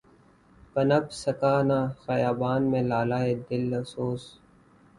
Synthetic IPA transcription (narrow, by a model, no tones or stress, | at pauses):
kənəbsəkaːnaːxəjaːbaːnmẽːlaːlaːeːd̪ɪlɐfsoːs